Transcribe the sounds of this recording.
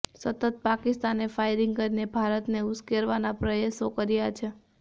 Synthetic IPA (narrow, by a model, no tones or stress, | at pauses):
sət̪ət̪̚pakɪst̪anefajɾiŋɡ̚kəɾinebʱaɾət̪neʊskeɾʋanapɾəjesokəɾjat͡ʃʰe